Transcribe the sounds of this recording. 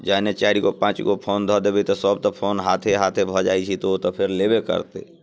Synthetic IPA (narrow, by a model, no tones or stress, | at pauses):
d͡ʒanet͡ʃaːɾikopãːt͡ʃkopʰoːnd̪ʱəd̪ebit̪ɔsəb̚t̪ɔpʰoːnɦaːt̪ʰeɦaːt̪ʰebʱəd͡ʒaːit͡ʃʰit̪oot̪ɔpʰɪɾlebekə̰ɾt̪ḛ